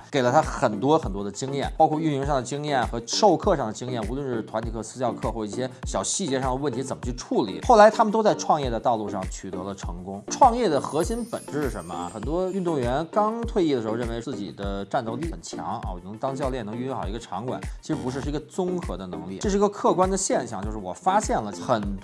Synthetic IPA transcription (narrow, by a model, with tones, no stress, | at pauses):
ke˨˩ɪlə˦t̪ʰa˥xə˨˩nt̪wɔ˥xə˨˩nt̪wɔ˥d̪ə˧t͡ɕi˥ŋjɛ˥˩npɑ˥ʊkʰwɔ˥˧y˥˩ni˧˥ŋʂɑ˥˩ŋd̪ə˩t͡ɕi˥ŋjɛ˥˩nxɤ˧˥ʂo˥˧ʊkʰɤ˥˧ʂɑ˥˩ŋd̪ə˩t͡ɕi˥ŋjɛ˥˩nu˧˥lwə˥˧nʂɻ̩˥˩t̪ʰwa˧˥nt̪ʰi˨˩kʰsɹ̩˥ɕjɑ˥˧ʊkʰɤ˥˧xwɔ˥˩ʈ͡ʂi˥˩ɕjɛ˥ɕjɑ˨˩ʊɕi˥˧t͡ɕjɛ˥˧ʂɑ˥˩ŋd̪ə˩wə˥˩nt̪ʰi˧˥t͡sə˨˩mə˦t͡ɕʰy˥˧ʈ͡ʂʰu˥˩lḭ˨˩˦xo˥˩ʊla˧ɪt̪ʰa˥mə˨nt̪o˥ʊt͡sa˥˧ɪʈ͡ʂʰwɑ˥˧ŋjɛ˥˩d̪ə˩t̪ɑ˥˧ʊlu˥˧ʂɑ˥˩ŋt͡ɕʰy˨˩t̪ɤ˧˥lə˧ʈ͡ʂʰɤ̰˧˥ŋkʊ˥ŋʈ͡ʂʰwɑ˥˧ŋjɛ˥˩d̪ə˩xɤ˧˥ɕi˥npə̰˨˩nʈ͡ʂɻ̩˥ʂ̩˥˩ʂə˧˥nmə̰˧˩xə˨˩nt̪wɔ˥y˥˧nt̪ʊ˥˩ŋɥɛ˧˥nkɑ˥ŋt̪ʰwe˥˧ɪi˥˩də˩ʂxɻə˥˩n˩e˧˥ɪt͡sɹ̩˥˩t͡ɕḭ˨˩d̪ə˦ʈ͡ʂa˥˧nt̪o˥˧ʊli˥˩ə˨˩nt͡ɕʰjɑ̰˧˥ŋ˧˩wn˧˥t̪ɑ˥ŋt͡ɕjɑ˥˧ʊljɛ˥˩nɤ˧˥ŋy˧˥xə˧ʈ͡ʂʰɑ˧˥ŋkwa̰˨˩˦nt͡ɕʰi˧˥ʂɻ̩˧˥pu˧ʂɻ̩˧ɻ̩˥˩˧ə˧t͡sʊ˥ŋxɤ˧˥d̪ə˧nɤ̰˧˥ŋlḭ˥˩ɤ˥˧ʂɻ̩˥˩˧ɡə˧kʰɤ˥˩kwa˥nd̪ə˨ɕjɛ˥˧˩nɕjɑ˥˩ŋt͡ɕjo˧ʂɻ̩˥˩wɔ˨˩fa˥ɕjɛ˥˩nlə˩xə˨˩nt̪